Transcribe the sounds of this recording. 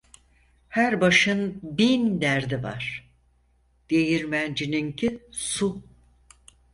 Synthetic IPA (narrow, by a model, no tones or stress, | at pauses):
hæɾbaʃɯnbind̪æɾd̪iva̰ɾ̥ | d̪̥ejiɾmænd͡ʒinincʰisu